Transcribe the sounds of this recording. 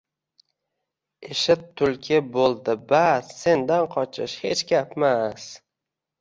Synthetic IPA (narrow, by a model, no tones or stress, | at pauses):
eʃɪt̪ʰːʊlkʲʰɪbolˠd̪ɪbasse̞nd̪anqʰɒt͡ʃʰɪ̰ʃhe̞t͡ʃɡʲapmas